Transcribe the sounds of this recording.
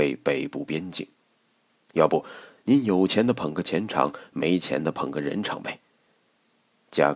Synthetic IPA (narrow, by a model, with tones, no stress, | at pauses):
e˥˧ɪpe˨˩ɪpu˥˩pjɛ˥nt͡ɕḭ˥˩ŋn | jɑ˥˧ʊpu˥˩ni˧˥njo˨˩ʊt͡ɕʰjɛ˧˥nd̪ə˧pʰə˨˩ŋɡə˧t͡ɕʰjɛ˧˥nʈ͡ʂʰɑ̰˧˥ŋme˧˥ɪt͡ɕʰjɛ̰˧˥nd̪ə˨pʰə˨˩ŋɡə˧ɻə̰˧˥nʈ͡ʂʰɑ̰˧˥ŋbe˧˩ɪ | t͡ɕja̰˥